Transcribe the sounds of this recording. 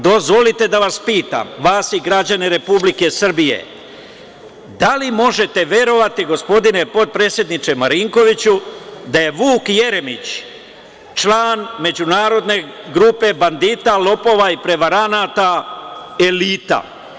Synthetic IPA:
d̪ozʋolit̪e̞d̪aʋaspiːt̪a̰mʋaːsiɡɾad͡ʑaneɾe̞publike̞sr̩bije̞̰ | d̪alimo̞ʒe̞t̪e̞ʋe̞ɾo̞ʋat̪iɡo̞spo̞d̪ine̞po̞t̪̚pɾe̞ːt̪sje̞d̪nit͡ʃemaɾiŋko̞ʋit͡ɕud̪aje̞ʋuːkje̞ɾe̞mit͡ɕ | t͡ʃlaːnme̞d͡ʑunaːɾo̞d̪ne̞ɡɾupe̞band̪iːt̪alˠo̞po̞ʋaipɾe̞ʋaɾanat̪a | e̞liːt̪a̰

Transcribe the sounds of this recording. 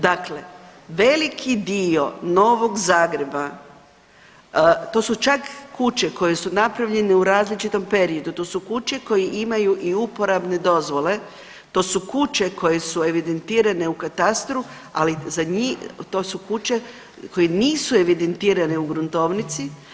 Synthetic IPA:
d̪akle̞ʋe̞likʰid̪io̞no̞ːʋo̞ɡzaːɡɾe̞ba | t̪o̞ːsut͡ʃakːut͡ʃe̞ko̞jesunapɾaʋʎe̞neuɾaːzlit͡ʃit̪o̞mpe̞ɾio̞d̪ut̪o̞ːsukut͡ʃe̞ko̞jiʔimajuʔiupo̞ɾabne̞d̪o̞zʋo̞le̞ | t̪o̞ːsukut͡ʃe̞kʰo̞jesue̞ʋid̪e̞nt̪iːɾane̞ukat̪ast̪ɾu | alizaɲit̪oːsukut͡ʃe | ko̞jeniːsue̞ʋid̪ent̪iːɾaneuɡɾunt̪o̞ʋnit̪si

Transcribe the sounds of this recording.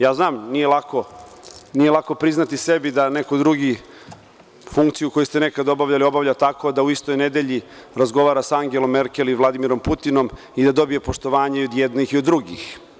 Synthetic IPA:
jaːznaːmnijelako̞nijelˠako̞pɾiznat̪isebid̪ane̞kod̪ɾuɡi | fuŋkt̪sijuko̞just̪enekad̪o̞baʋʎalio̞baʋʎat̪ako̞d̪auist̪o̞jned̪eʎi | ɾazɡo̞ʋaːɾasaaŋɡe̞lo̞mːeɾkʲeliʋlˠad̪imiɾo̞mput̪ino̞m | id̪ad̪o̞bijepo̞ʃt̪o̞ʋaːɲeio̞d̪jed̪nixiod̪ːɾuɡḭx

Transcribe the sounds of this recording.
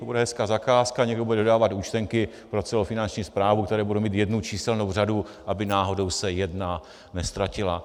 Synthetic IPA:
t̪obudɛɦɛskaːzakaːskaɲɛɡdobudɛdodaːvat̪uːt͡ʃt̪ɛŋkɪ | pɾo̞t͡sɛlofɪnant͡ʃɲiːspɾaːvuk̚t̪ɛɾɛːbudowmiːt̪jɛdnut͡ʃiːsɛlnowraduʔabɪnaːɦo̞do̞wsɛjɛdna | nɛst̪ɾacɪla

